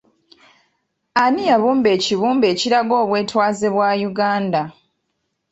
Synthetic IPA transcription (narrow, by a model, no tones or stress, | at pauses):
anijaβuːmbe̞ːciβuːmbe̞ːciɾaɡo̞ːβwe̞ːtwaːzeβwaːjuɡaːnda